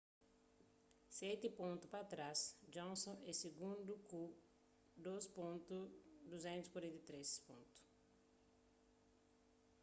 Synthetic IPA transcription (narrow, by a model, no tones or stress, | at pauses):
sɛt̪ɪpõnt̪upat̪ɾasd͡ʒõnsõɛsiɡũnd̪uku | d̪ospõnt̪ud̪uzɛ̃nt̪uzi̥kwaɾẽnt̪et̪ɾespõ̰nt̪u̥